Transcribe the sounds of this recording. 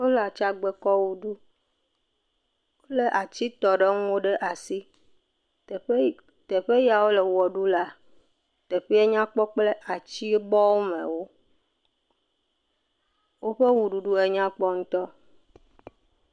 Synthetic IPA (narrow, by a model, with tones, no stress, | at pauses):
wo˦la˨t͡ʃa˦ɡ͡be˨kɔ˦wu˨ɖu˦ | wo˦le˦ʔa˨t͡ɕi˦t̪ɔ˨ɖe˦ŋũ˦wo˦ɖe˦ʔa˨si˦˨˦ | t̪ɛ˨ɸe˦ja˨wo˦le˨wɔ˨ɖu˦la˦ | t̪ɛ˨ɸi˦e˦ɲã˦k͡pɔ˦k͡ple˦ʔa˨t͡ɕi˦e˦bɔ˦wo˦mɛ̰̃˨wo˦ | wo˦ɸe˦wu˨ɖu˨ɖu˦e˨ɲã˦k͡pɔ˦ŋũ˦t̪ɔ˦